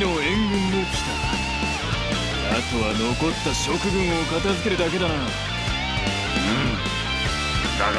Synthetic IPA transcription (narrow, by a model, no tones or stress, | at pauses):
noẽ̞ŋɡɯ̟̃nːeːt̪o̥ɕi̥t̪aa | at̪oβano̞ko̞t̪ːaɕo̞kɯ̟bɯ̃ɰ̃o̞kat̪azɨke̞ɾɯ̟d̪ake̞d̪ana | ɯ̃ | a